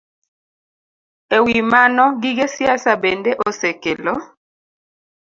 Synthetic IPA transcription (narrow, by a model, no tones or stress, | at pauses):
ewimanɔɡɪɡesjasabɛndɛʔɔsɛkelɔ